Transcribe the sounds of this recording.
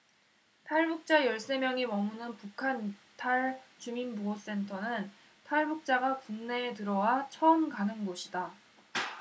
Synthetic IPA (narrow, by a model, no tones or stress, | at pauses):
tʰaɭbuk̚t͡ɕ͈ajʌɭs͈e̞mjʌŋimʌmunɯnpukʰantʰaɭt͡ɕuminbuɡos͈e̞ntʰʌnɯn | tʰaɭbuk̚t͡ɕ͈aɡakuŋne̞ːt̬ɯɾʌwat͡ɕʰʌɯnkanɯnɡoɕʰida